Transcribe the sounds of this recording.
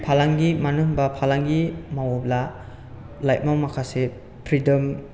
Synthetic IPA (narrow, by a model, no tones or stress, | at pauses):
pʰalaŋɡimanuŋbɐpʰalaŋɡimawɔbla | lajt̚mawmakʰase | pʰɾidɔm